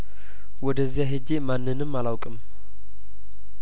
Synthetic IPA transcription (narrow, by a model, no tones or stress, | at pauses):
wɔd̪əzːjaɦed͡ʒemanːɨnɨmːalawkʼɨm